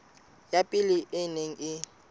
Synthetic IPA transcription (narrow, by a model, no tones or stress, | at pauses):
japʼiliʔɪneŋ̩ɪ